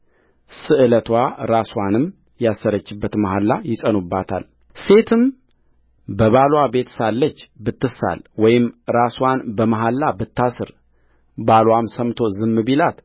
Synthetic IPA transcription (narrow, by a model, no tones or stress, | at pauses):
sɨʔɨlət̪ʰwaɾaswanɨm | jasːəɾət͡ʃːɪbːət̪maɦalːajɪt͡ʃʼənubːat̪ʰa̰l | se̞t̪ʰɨm | bəβalwabe̞t̪salːət͡ʃːbɨt̪ːɨsa̰lwɔjɪmɾaswanbəmaɦalːabɨt̪ːasɨɾ | balwamsəmt̪ʰo̞zɨmːɨbilat̪